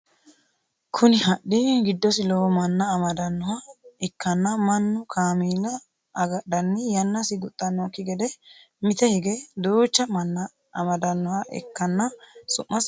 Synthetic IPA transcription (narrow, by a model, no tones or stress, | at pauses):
kʰʊnɪɦɐɗːɪɡɪd̪ːɔsɪlɔwmɐnːɐːmɐd̪ɐnːɔhɐɛkːɐnːɐmɐnːʊkʰaːmiːlɐː | ɡɐɗːɐnːɪjɐnːɐsɪɡʊt̪ʼːɐnːɔkːɪɡɛd̪ɛ | mɪt̪ɛhɪɡɛd̪uːt͡ʃːɐmɐnːɐː | mɐd̪ɐnːɔhɐʔɛ̰kːɐnːɐsʊʔːɐs